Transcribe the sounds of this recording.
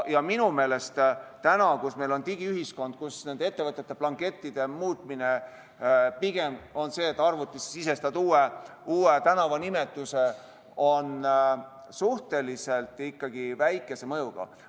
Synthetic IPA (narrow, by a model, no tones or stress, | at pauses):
jɑminume̞ːle̞st̪t̪ænɑkusme̞jlo̞nt̪iɡ̥iyɦisko̞nd̪̥̚kusne̞nd̪ee̞t̪ːe̞vɤt̪ˑːet̪ːe̞plɑŋke̞t̪ːid̪̥e̞muːt̪ˑmine̞ | piɡ̥e̞mo̞nse̞ːt̪ːˑɑrvut̪ːˑissise̞st̪ɑt̪uːeuːet̪ænɑvɑnime̞t̪ːˑuse̞ | o̞n | suht̪e̞lise̞lt̪ˑikːɑɡ̥ivæjkːˑe̞se̞mɤjuɡ̥ɑ̰